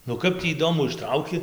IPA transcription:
nʊ ˈkɐp tʲiː iːˈdoːmʊ ɪʃˈtrɐʊkʲɪ

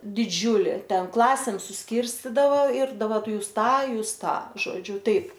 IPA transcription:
dʲɪˈd͡ʒʲuːlʲɪ ˈtʲɛn ˈklˠɑːsʲeːm sʊsʲˈkʲɪrʲsʲtʲiːdɐʋɐ ɪr dɐˈbɐr ˈtʊ ˈjuːs ˈtɑː ˈjuːs ˈtɑː ʒoːˈd͡ʒʲʊ ˈtɐɪp

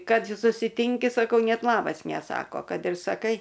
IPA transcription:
ˈkɐt sʊsʲɪˈtʲɪŋʲkʲɪ sɐˈkɐʊ ˈnʲɛt ˈlˠɑːbɐs nʲɛˈsɑːkoː ˈkɐt ɪr sɐˈkɐɪ

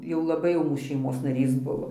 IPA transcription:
jɛʊ lˠɐˈbɐɪ jɛʊ ʃʲɛɪˈmoːs nɐˈrʲiːs ˈbʊʋoː

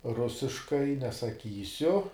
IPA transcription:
ˈrʊsʲɪʃkɐɪ nʲɛsɐˈkʲiːsʲʊ

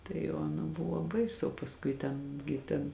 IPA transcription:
tɐɪ oː ɐˈnɐ ˈbʊʋoː ˈbɐɪsʊ oː pɐsˈkʊɪ ˈtʲɛn ɡʲɪ ˈtʲɛn

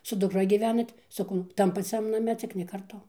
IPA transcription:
sʊ dʊkˈrɐ ɡʲiːˈʋʲæːnɐt sɐˈkɐʊ ˈtɐm pɐˈt͡sʲɛm nɐˈmʲɛ ˈt͡sʲɪk nʲɛ kɐrˈtʊ

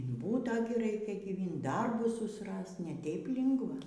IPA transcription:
ɪn ˈbuːtɐ ɡʲɪ ˈrɐɪkʲɛ ɡʲiːˈʋʲɪnt ˈdɐrbʊs sʊsˈrɐst nʲɛ ˈtʲɛɪp ˈlʲɪŋɡʋɐ

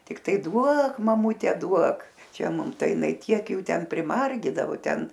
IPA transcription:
tʲɪkˈtɐɪ ˈduɔk mɐˈmʊtʲɛ ˈduɔk ˈt͡ʃʲɛ ˈmʊm ˈtɐɪ jɪˈnɐɪ ˈtʲiɛk ˈjuː ˈtʲɛn pʲrʲɪmɐrʲˈɡʲiːdɐʋoː ˈtʲɛn

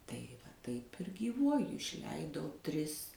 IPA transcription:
tɐɪ ʋɐ ˈtɐɪp ɪr ɡʲiːˈʋuɔjʊ ɪʃʲˈlʲɛɪdɐʊ ˈtʲrʲɪs

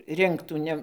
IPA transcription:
ˈrʲɪŋktuː ˈnʲɛ

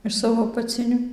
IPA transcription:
ɪʃ ˈsɑːʋoː ɐpɐˈt͡sʲɪnʲʊ

